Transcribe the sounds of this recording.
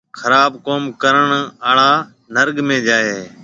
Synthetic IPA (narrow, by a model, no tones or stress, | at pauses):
kʰəɾaːbkoːmkəɾəɳaːɭaː | nəɾɠmẽːd͡ʒaːeː